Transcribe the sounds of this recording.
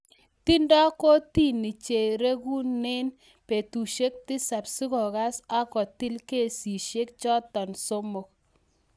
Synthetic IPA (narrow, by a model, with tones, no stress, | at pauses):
ti˦ndɔ˦ko˦ti˦˨ni˨t͡ʃe˨ɾe˦ku˦ne˦n | pe˨tu˨ʃe˦k̚ti˦sa˨psi˦kɔ˨ɣa˦sa˦kɔ˨ti˦lke˦˨si˨ʃe˦k̚t͡ʃɔ˦tɔ˨nso˦mo˨k̚